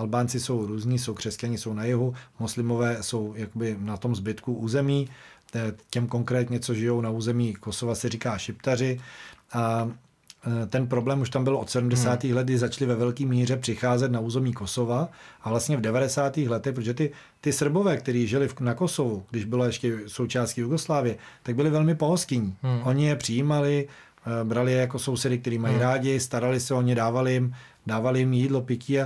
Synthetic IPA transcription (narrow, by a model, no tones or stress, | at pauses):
ʔalbaːnt͡sɪso̞wɾuːzɲiːs̬o̞wkr̝̥ɛst̪̚caɲɪso̞wnajɪɦumoslɪmo̞vɛːso̞wjakobɪnat̪o̞mzbɪt̪kuʔuːzɛmiː | cɛmko̞ŋkɾɛːt̪ɲɛt͡so̞ʒɪjo̞wnauːzɛmiːko̞so̞vasɛriːkaːʃɪpt̪arɪʔa | t̪ɛnpɾo̞blɛːmuʃt̪ambɪlʔo̞t̪sɛdum̩dɛsaːt̪iːxlɛt̪̚ɡdɪzat͡ʃlɪvɛvɛlkiːmiːr̝ɛpr̥ɪxaːzɛt̪nauːzɛmɲiːko̞so̞vaʔavlast̪ɲɛvdɛvadɛsaːt̪iːxlɛt̪ɛxpɾot̪ʒɛt̪ɪ | t̪ɪsr̩bo̞vɛːk̚t̪ɛɾiːʒɪlɪfnakosovuɡ̥dɪʒbɪloɛʃcɛso̞wt͡ʃaːstcijuɡo̞slaːvɪjɛt̪aɡ̚bɪlɪvɛlmɪpo̞ɦoscɪɲiːʔo̞ɲɪjɛpr̥ɪjiːmalɪ | bɾalɪjɛjako̞so̞wsɛdɪk̚t̪ɛɾiːmajiɾaːɟɪst̪aɾalɪsɛo̞ɲɪdaːvalɪjɪm | daːvalɪjɪmjiːdlo̞pɪciːa